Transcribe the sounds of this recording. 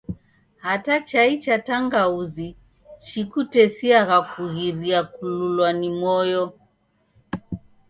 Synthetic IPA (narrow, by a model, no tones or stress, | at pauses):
hatat͡ʃait͡ʃataŋɡauzi | t͡ʃikutɛsiaɣakuɣiɾiakululwanimɔjɔ